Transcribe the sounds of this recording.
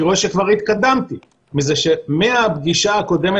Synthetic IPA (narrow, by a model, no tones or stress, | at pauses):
ʁo̞eʃekvaʁhit̪kad̪amt̪i | mizeʃe̞meabɡiʃaːko̞d̪e̞me